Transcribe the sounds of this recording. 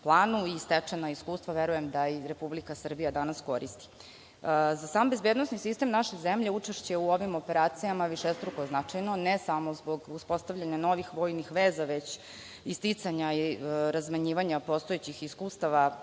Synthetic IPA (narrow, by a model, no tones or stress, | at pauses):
plˠaːnuist̪et͡ʂenaiskuːst̪ʋaʋeɾujemd̪aiɾepublikasr̩bijad̪anasko̞ɾist̪i̥ | zasaːmbe̞zbed̪nosnisist̪e̞mnaʃezemʎe̞ut͡ʂeʃt͡ɕeuo̞ʋimo̞pe̞ɾaːt̪sijamaʋiʃest̪ɾukoznat͡ʂajno̞nesamo̞zbo̞ɡuspo̞st̪aʋʎʲaɲano̞ʋixʋo̞ːjnixʋeːzaʋet͡ɕ | ist̪it̪saɲaiɾazmaɲiːʋaɲapo̞st̪oet͡ɕixiskuːst̪aʋa